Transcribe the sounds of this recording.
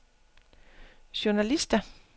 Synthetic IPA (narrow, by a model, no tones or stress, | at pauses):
ɕʊnælisd̥æ